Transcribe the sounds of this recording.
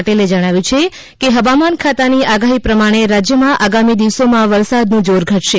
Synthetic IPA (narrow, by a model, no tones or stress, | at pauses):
ʈeled͡ʒəɽ̃aʋjũt͡ʃʰe | keɦəʋamankʰat̪aniaɡaɦipɾəmaɽ̃eɾad͡ʒjəmãʔaɡamid̪iʋsomãʋəɾsad̪nũd͡ʒoɾɡʱəʈʃe